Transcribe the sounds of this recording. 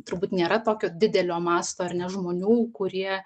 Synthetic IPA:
t̪ʊɾbuːt̪nʲeːɾɐt̪oːkʲoːd̪ʲɪd̪ʲɛlʲoːmɑːst̪oːɐrnʲɛʒmoːnʲuːkʊɾʲiɛ

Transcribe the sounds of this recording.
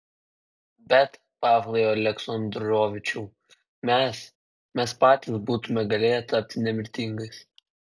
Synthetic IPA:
bʲɛt̪ | pɑːʋlʲˠɛjoːɐlʲɛksɔnd̪ɾoːʋʲɪt͡ʃʲuʊ | mʲɛs | mʲɛspɑːt̪ʲisbuːt̪ʊmʲɛɡɐlʲeːjɛt̪ɐpʲt̪ʲnʲɛmʲɪɾʲt̪ʲɪŋɡɐɪs

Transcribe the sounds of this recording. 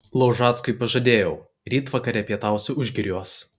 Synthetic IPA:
lˠɐʊʒɑːt̪skʊɪpɐʒɐd̪ʲeːjɛʊ | ɾʲiːt̪ʋɐkɐɾʲɛpʲiɛt̪ɑˑʊsʲʊʊʒʲɡʲɪɾʲuɔs

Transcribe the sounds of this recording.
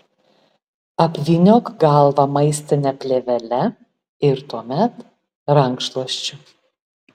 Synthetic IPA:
ɐpʲʋʲɪnʲoːkɡɑˑlˠʋɐmɐɪsʲt̪ʲɪnʲɛpʲlʲeːʋʲɛlʲɛ | ɪɾt̪uɔmʲɛt̪ | ɾɐŋkʃlˠɐʃʲt͡ʃʲʊ

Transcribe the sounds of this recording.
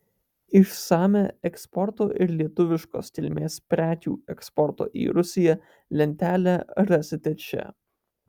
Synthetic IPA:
ɪʃsɑːmʲeɛkspɔɾt̪oːʔɪɾlʲiɛt̪ʊʋʲɪʃko̰ːst̪ʲɪlʲmʲeːspʲɾʲæːk̪ʲṵːɛkspɔɾt̪o̰ːʔḭːɾʊsʲɪjɛ | lʲɛnʲt̪ʲæːlʲæɐɾʲɐsʲɪt̪ʲɛt͡ʃʲɛ̰

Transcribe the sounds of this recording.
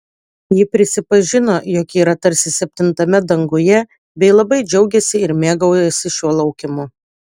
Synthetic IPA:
jɪpʲɾʲɪsʲɪpɐʒʲɪnoːjɔːkʲiːɾɐt̪ɐɾʲsʲɪsʲɛp̚ʲt̪ʲɪnt̪ɐmʲɛd̪ɐŋɡʊjɛ | bʲɛɪlˠɐbɐɪd͡ʒʲɛʊɡʲɛsʲɪɪɾmʲeːɡɐʊjɛsʲɪʃʲuɔlˠɐʊkʲɪmʊ

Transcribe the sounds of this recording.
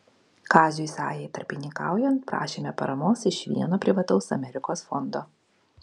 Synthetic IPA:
kɑːzʲʊɪsɑ̰ːjɛɪt̪ɐɾʲpʲɪnʲɪŋkɑ̰ˑʊjɛnt̪̚pɾɑ̰ːʃʲeːmʲɛpɐ̰ɾɐmoːsɪʃʲʋʲḭɛnoːpʲɾʲɪʋɐt̪ɒʊsɐ̰mʲɛɾʲɪkoːsfɔnd̪oː

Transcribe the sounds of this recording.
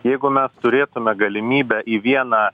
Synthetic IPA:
jɛɪɡʊmʲɛst̪ʊɾʲeːt̪ʊmʲɛɡɐlʲɪmʲiːbʲɛʔiːʋʲiɛnɑː

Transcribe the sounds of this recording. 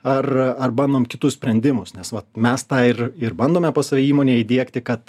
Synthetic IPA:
ɐrɐrbɐnd̪oːmkʲɪt̪ʊssʲpʲɾʲɛnʲd̪ʲɪmʊsnʲɛsʋɐt̪mʲɛst̪ɑːɪrɪrbɐnd̪oːmʲɛpoːsɐʋʲiːmoːnʲeːid̪ʲiɛkt̪ʲɪkɐt̪

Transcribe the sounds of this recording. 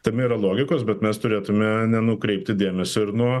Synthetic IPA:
t̪ɐmʲɪiːɾɐlˠoːɡʲɪkoːsbʲɛt̪mʲɛst̪ʊɾʲeːt̪ʊmʲɛnʲɛnʊkɾʲɛɪp̚ʲt̪ʲɪd̪ʲeːmʲɛsʲoɪɾnuɔ

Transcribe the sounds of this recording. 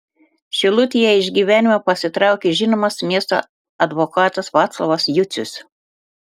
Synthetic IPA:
ʃʲɪlˠʊt̪ʲɪjɛɪʒʲɡʲiːʋʲæːnʲɪmʲopɐsʲɪt̪ɾɑˑʊkʲeːʒʲɪnoːmɐsmʲiɛst̪o̰ | ɐd̪ʋɔkɑːt̪ɐsʋɑːt̪slˠoʋɐsjʊt̪sʲʊs

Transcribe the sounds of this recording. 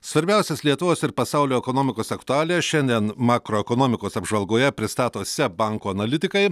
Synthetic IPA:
sʋɐɾʲbʲɛˑʊsʲɛslʲiɛt̪ʊʋoːsɪɾpɐsɑʊlʲoːɛkonoːmʲɪkoːsɐkt̪ʊɑːlʲɛʃʲɛnʲd̪ʲiɛnmɑːkɾoːɛkoːnoːmʲɪkoːsɐbʒʋɐlˠɡoːjɛpʲɾʲɪst̪ɑːt̪oːsʲɛbɑŋkoːɐnɐlʲɪt̪ʲɪkɐɪ

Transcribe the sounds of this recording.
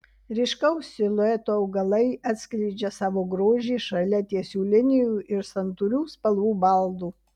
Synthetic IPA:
ɾʲɪʃkɐʊsʲɪlˠoɛt̪oːɐʊɡɐlˠɐɪɐt̪ʲsʲklʲɛɪd͡ʒʲɛsɑːʋoːɡɾoːʒʲiːʃɐlʲɛt̪ʲiɛsʲuːlʲɪnʲɪjuːɪɾsɐnt̪uɾʲuːspɐlˠʋuːbɐlˠd̪uː

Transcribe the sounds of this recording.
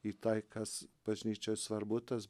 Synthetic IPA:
it̪ɐɪkɐsb̥ɐʒʲnʲiːt͡ʃʲoʊsʋɐɾbut̪ɐs

